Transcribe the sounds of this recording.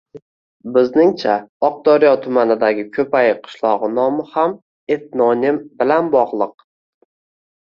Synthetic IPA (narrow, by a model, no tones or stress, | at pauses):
bɪznɪŋt͡ʃʰaɒq̚d̪ɒɾjɒt̪ʰʊmanɪd̪aɡʲɪkʲʰɵpajɪqʰɨ̥ʃlˠɒʁɨnɒmɪham | e̞t̪̚nɒnɪmbɪlanbɒʁlˠɨq̚